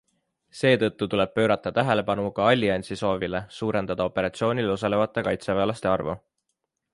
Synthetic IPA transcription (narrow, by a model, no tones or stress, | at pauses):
se̞ːt̪ɤ̞t̪ːut̪ule̞b̥̚pø̞ːɾɑt̪ːˑɑt̪æɦe̞le̞pɑnukɑɑlʲːiɑnʲsiso̞ːvile̞suːɾe̞nd̪ɑd̪ɑo̞pːe̞ɾɑt̪sio̞ːnʲilos̬ɑle̞vɑt̪ːˑe̞kɑjt̪seveːlɑst̪e̞ɑrvṵ